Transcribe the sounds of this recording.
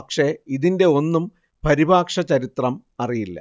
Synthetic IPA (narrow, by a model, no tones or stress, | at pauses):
kʂe̞iðinde̞o̞nːum | pɐɾibaːkʂɐt͡ɕɐɾit̪rɐm | ɐrijilːɐ̰